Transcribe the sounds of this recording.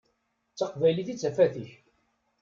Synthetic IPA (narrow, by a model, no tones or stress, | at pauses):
t͡sːɑqvæjliθit͡sːæfæθiç